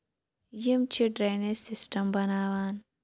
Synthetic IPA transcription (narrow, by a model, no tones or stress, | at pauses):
jimt͡ʃʰiɖɾenesisʈɐmbɐnaːwaːn